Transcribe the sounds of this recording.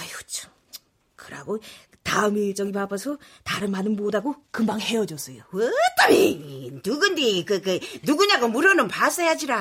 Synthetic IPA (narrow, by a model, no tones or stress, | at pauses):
ajot͡ɕʰo̥ | kɯɾa̰ɡo | taɯmit͡ɕ͈ʌɡipapʰasʰʌ | taɾɯnmanɯnbodaɡokɯmbaŋhe̞jʌd͡ʑʌs͈ʌjowet͈abenuɡɯndikɯkɯnuɡuɲaɡomuɾʌnɯnpas͈ʌjad͡ʑiɾa